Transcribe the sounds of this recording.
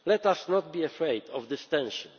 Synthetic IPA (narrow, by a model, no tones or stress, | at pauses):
lɛt̪asnɔt̪̚biɛfɹɛɪd̪ɔvd̪ɪst̪ɛ̃nʃɔ̃n